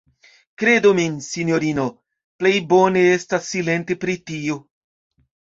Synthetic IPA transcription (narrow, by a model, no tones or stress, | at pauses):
kɾe̞duminsinjoɾino | plejboneestasːile̞nte̞pɾitio